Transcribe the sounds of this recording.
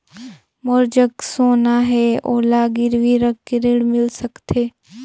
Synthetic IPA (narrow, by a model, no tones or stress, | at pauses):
moɾd͡ʒəksoːnaɦɛoːlaːɡɪɾʋiɾəkːeɾɪɽmɪlsəkt̪ʰeː